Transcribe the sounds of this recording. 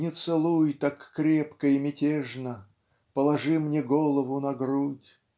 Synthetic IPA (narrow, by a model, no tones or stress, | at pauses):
nʲɪt̪sɨlˠujt̪akːɾʲepkəimʲɪtʲeʐnə | pəlˠɐʐɨmnʲeɡolˠəvʊnɐɡɾutʲ